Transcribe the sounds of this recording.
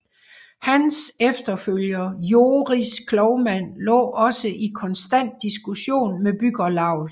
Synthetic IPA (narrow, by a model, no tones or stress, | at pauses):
hænsefd̥ɐføl̰jɐjo̝ːʁiskʰlɒʊmæn̰lɔ̰̽ːʔɒ̽səʔikʰɒ̽nsd̥æn̰d̥ːisɡ̥uɕo̝̰ːnmeb̥yɡ̥ɐlɑ̈ʊ̰ðˠ